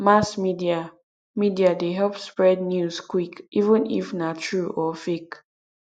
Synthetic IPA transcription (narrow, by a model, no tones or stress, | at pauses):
masmidia | midiadeɦɛlpspɹɛdnjuzkwikivə̃nḭfnatʰɹuʔɔfek